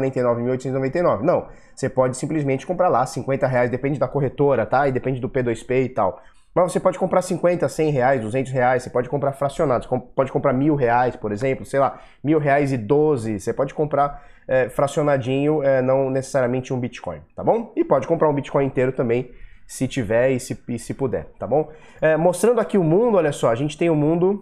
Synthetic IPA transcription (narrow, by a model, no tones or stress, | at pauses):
ɾẽt̪ejnɔvɪmiwojt̪sẽt̪znovẽnt̪ejnɔvɪnɐ̃w̃ | sepɔd͡ʒɪsĩmplizmẽnt͡ʃɪ̥kõmpɾaɾlasĩŋkwẽnt̪ɐɦeajzd̪epẽnd͡ʒɪd̪ɐkoɦet̪oɾɐt̪aɪd̪epẽd͡ʒɪd̪ʊped̪ojspeɪt̪aw | mɐzvosepɔd͡ʒɪkõmpɾaɾsĩŋkwẽnt̪ɐsẽj̃ɦeajzd̪uzẽnt̪ʊsheajssepɔd͡ʒɪkõpɾaɾfɾasionad̪ʊsekõpɔd͡ʒɪkõpɾaɾmiwɦeajspoɾezẽmplʊsejla | miwɦeajzɪd̪ozɪsepɔd͡ʒɪ̥kõmpɾaɾɛfɾasionad͡ʒĩɲʊɛnɐ̃w̃nese̥saɾiɐmẽnt͡ʃɪũbit͡ʃi̥kõj̃t̪abõw̃ɪpɔd͡ʒɪkõpɾaɾũbit͡ʃi̥kõj̃ĩt̪eɾʊt̪ɐ̃mbẽj̃sɪt͡ʃivɛɾɪsɪɪsɪpud̪ɛ̰ɾt̪abõw̃ | ɛmost̪ɾɐ̃nd̪akiʊmũd̪ʊɔʎʲɐsɔɐʒẽt͡ʃɪ̥t̪ẽj̃ʊmũnd̪ʊ